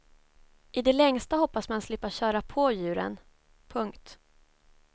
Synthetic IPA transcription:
ʔɪd̪ɛlɛŋst̪ahɔpːasmanslɪpːaɕœːɾapʰojʉ̟ːɾə̰n | pʰɵŋkt̪

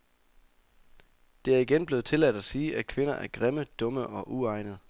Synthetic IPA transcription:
d̥e̝æɐiɡ̥enb̥le̝ːð̞̩ˠt͡sʰe̝læd̥æsiːʔækʰʋe̝nɐʔæɐɡ̥ʁeməd̥ɔ̽məʔɒ̽ʔuɑ̈ɪnəð̩ˠ

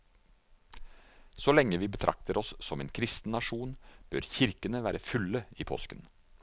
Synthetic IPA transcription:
sɔlɛŋːəʋiːbət̪ʰɾʔɑ̰k̚t̪əɾɔsːɔmḛːnkʰɾɪst̪n̩nɑʂuːnb̥œɾçɪɾkənəʋæːɾəfʉləiːpʰɔ̰skən

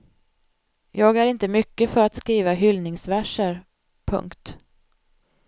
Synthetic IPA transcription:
jɑːɡæɾɪnt̪əmʏkːəfœɾat̪skɾiːvaɦʏlnɪŋsvæʂəɾ | pʰɵ̰ŋkt̪

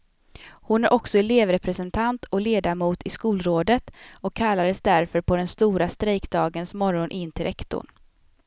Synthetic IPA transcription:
hʊnæɾʔɔksɔɛleːvɾɛpʰɾɛsɛnt̪ʰant̪ʰɔleːd̪amuːt̪ɪskuːlɾoːd̪ət̪ɔkʰːalːad̪əsd̪æɾfœɾpʰɔd̪ɛnst̪uːɾast̪ɾɛjkd̪ɑːɡənsmɔɾɔnʔɪnːt̪ʰɪɾʔɛkt̪ʊ̰ɳ

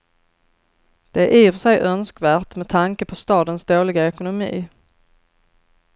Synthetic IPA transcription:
d̪̥ɛʔiːɾʂɛjʔœnskvæːʈmɛt̪ʰaŋkəpʰɔst̪ɑːd̪ənsd̪oːlɪɡaɛkʊnʊmḭː

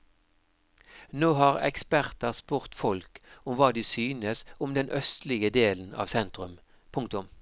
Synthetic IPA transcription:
noːɦɑːʁɛ̰kspæʁt̪əʁspʉːʁt̪fɔlkʊmʋɑːd̪iːsyːnəsʊmd̪ɛnʔœst̪lɪɡəd̪eːln̩ɑ̰ːʋsɛnt̪ʁʉm | pʰʊŋk̚t̪ʊm

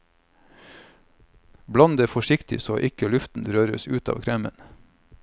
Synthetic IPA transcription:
blɑnd̪eːfɔʃɪkt̪ɪ̰soːʔɪkəlʉft̪n̩ɾøːɾə̰sʉːt̪ɑ̰ːʋkʰɾɛːmə̰n

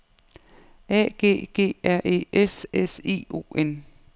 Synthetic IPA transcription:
ɛ̰ɡ̥e̝̰ːɡ̥e̝̰ːæɐ̰ʔe̝̰ːʔesese̝̰ːo̝̰ːen

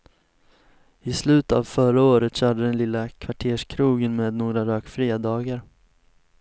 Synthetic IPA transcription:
ɪslʉ̟ːt̪a̰ːvfœɾaoːɾət̪ɕœːɖəd̪ɛnlɪlːakʰvaʈʰeːʂkʰɾuːɡənmeːd̪noːɡɾaɾøːkfɾiːad̪ɑːɡaɾ

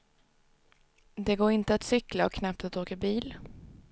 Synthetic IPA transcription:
d̪ɛɡoːɾɪnt̪əat̪sʏklaɔ̰kʰnap̚t̪at̪oːkabiːl

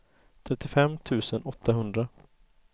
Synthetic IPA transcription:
t̪ʰɾɛt̪ːɪfɛmːt̪ʰʉ̟ːsənɔt̪ʰːaɦɵnd̪ɾa

